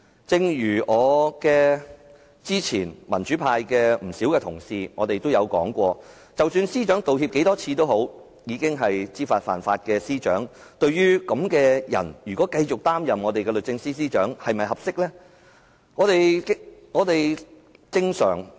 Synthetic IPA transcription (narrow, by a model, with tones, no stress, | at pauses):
t͡sɪ˧ŋjyː˨˩ʔɔː˨˧kɛː˧ | t͡siː˥t͡sʰiː˨˩nmɐ˨˩nt͡ʃyː˨˥pʰaː˧jkɛː˧m̩˨˩siː˨˥wkɛː˧t̪ʰʊ˨˩ŋsiː˨˧ŋɔː˨˧t̪e˨jt̪o˥wjɐ˨˧wkɔ̰ː˨˥ŋkʷɔː˧ | t͡sɐ˨wsyː˧nsiː˥t͡ʃœː˨˥ŋt̪o˨whiː˧p̚ke˨˥jt̪ɔː˥t͡sʰiː˧t̪o˥who˨˥w | jiː˨˧kɪ˥ŋɦɐ˨jt͡siː˥faː˧t̚fa̰ː˨nfa̰ː˧t̚kɛː˧siː˥t͡ʃœ̰ː˨˥ŋ | t̪ɵ˧ɥjyː˥kɐ˨˥mkɛː˧jɐ̰˨˩njyː˨˩kʷɔː˨˥kɐ˧jt͡ʃʊ˨k̚t̪aː˥mjɐ˨mŋɔː˨˧t̪e˨jkɛ˧lɵ˨t̚t͡sɪ˧ŋsiː˥siː˥t͡ʃœː˨˥ŋhɐ˨jmɐ˨jɦɐ˨p̚sɪ˥k̚lɛː˥ | ŋɔː˨˧t̪e˨jŋɔː˨˧t̪e˨j | t͡sɪ˧ŋsœ̰ː˨˩ŋ